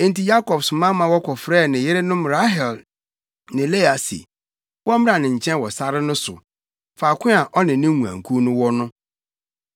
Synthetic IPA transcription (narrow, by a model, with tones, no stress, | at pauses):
ẽ˦n˨ti˨ja˦kɔ˨bsʊ˨mã˦mã˨wɔ˦kʰɔ˨fɾɛː˦˨nɪ̃˨jɪ˦ɾɪ˦nʊ̃˦mɾa˦ɦɛ˨l | nɪ̃˨le˦a˨sḭ˨ | wɔ˦m˦ɾa˨nɪ̃˨ɲ̩˨t͡ɕʰɛ̃˦n˨wɔ˨sa˦ɾɪ˦nʊ̃˦sʊ̰˨ | fa˨kʷʰɪ̃˦a˨ʔɔ˦nɪ̃˨nɪ̃˦ŋũ˨ã̰˨ŋ̩˨kʰu˦nʊ̃˦wɔ˦nʊ̃˦